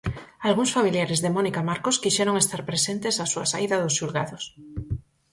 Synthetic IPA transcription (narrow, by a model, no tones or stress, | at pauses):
alɣuŋsfamiljaɾezðemɔnikamaɾkoskiʃɛɾoŋest̪aɾpɾesent̪esasuɐsaiðɐðʊsʃulɣaðʊs